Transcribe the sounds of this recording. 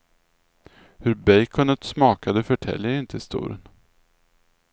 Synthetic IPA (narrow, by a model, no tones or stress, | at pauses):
hɵɾbɛjkʰɔnət̪smɑːkad̪əfœʈʰɛ̰lːjəɾɪnt̪ʰəɪst̪ṵːɾə̰n